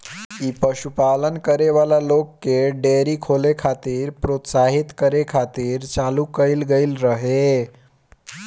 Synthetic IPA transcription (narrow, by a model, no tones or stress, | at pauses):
ipəɕupalənkəɾeʋalalokːeɖeɾiːkʰolekʰat̪iːɾpɾot̪saɦit̪kəɾekʰat̪iːɾt͡ɕalukəilɡeilɾəɦe